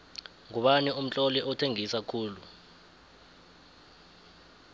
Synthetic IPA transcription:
ŋuɓanium̩t͡ɬʼɔliʔɔtʰeŋisakʰuːlu

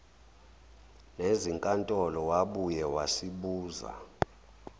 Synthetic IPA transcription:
neziŋkʼantʼɔlɔwaɓujɛwasiɓuːza̰

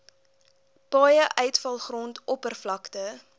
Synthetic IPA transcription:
pɑːjəʔœɥtfɐlˠχrɔntɔpərflɐktə

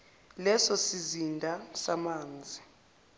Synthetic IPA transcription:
lɛsɔsizindʱasamaːnd͡zʱi

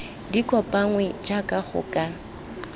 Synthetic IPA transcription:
dikʼɔpʼaŋwɛd͡ʒakʼaχʊ̰kʼa

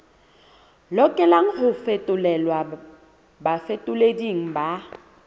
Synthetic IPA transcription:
lɔkʼɛlaŋ̩ɦʊfetʼʊlɛlwa | bafetʼʊlediŋ̩ba

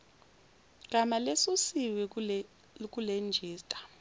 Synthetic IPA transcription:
ɡ̥̬ʱʼamalesusiwɛ | k̬ʼulend͡ʒʱiːstʼḁ

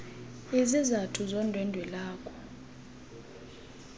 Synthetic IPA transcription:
izizatʰuzɔndʱwɛndʱwɛlaːkʰʼɔ̥

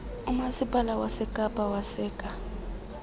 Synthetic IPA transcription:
umasipʼalawasɛkʼapʼawasɛːkʼa

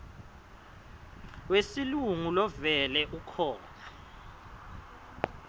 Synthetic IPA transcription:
wesiluŋulɔvɛlɛʔukʰɔːna

